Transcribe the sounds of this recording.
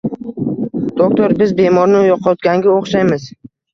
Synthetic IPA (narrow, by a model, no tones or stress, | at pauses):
d̪̥ok̚t̪ʰoɾbɪzbe̞mɒɾnɪjɒqʰɒt̪̚ɡʲaŋɡʲaoχʃajmɪz